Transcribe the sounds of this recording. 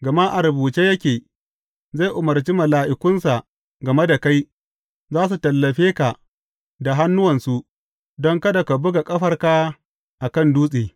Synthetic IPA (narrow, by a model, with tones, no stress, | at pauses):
ɡɐ˨ma˦ʔa˨ɾɐ˨buː˨t͡ʃeː˦jɐ˦kʲeː˨ | za˦˨jʔʊ˨mɐ˨rt͡ʃi˦mɐ˨laː˨ʔɪ˨kʊ˦nsa˨ | ɡɐ˨me˦da˨ka˦j | zaː˦s̬u˨tɐ˨lːɐ˨ɸeː˦ka˨ | da˨ɦa˦nːʊ˦wɐ˨nsu˦ʔ | dɔ˦ŋkɐ˦da˨ka˨bʊ˦ɡa˨kʼɐ˦ɸɐ˦rka˦ | ʔa˨kɐ˦˨nduː˦sʼeː˨